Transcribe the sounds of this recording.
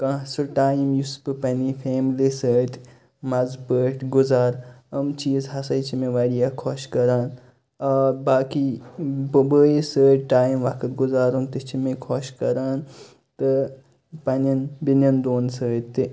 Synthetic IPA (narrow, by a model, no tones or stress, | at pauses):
kãːsɨʈaːjmjuspɨpɐnipʰeːmlisəːt̪ | mɐzpəːʈʰɡʊzaːɾɐmt͡ʃiːzɦɐsɐjt͡ʃʰimẽʋaːɾijakʰoʃkɐɾaːn | ɐːbaːkibbəːjisəːɾʲʈaːjimʋɐkʰɨt̪ɡʊzaːɾunt̪it͡ʃʰimẽkʰoʃkɐɾaːn | t̪ɨ | pɐnɐnbinɐnd̪oːnsəːt̪ːi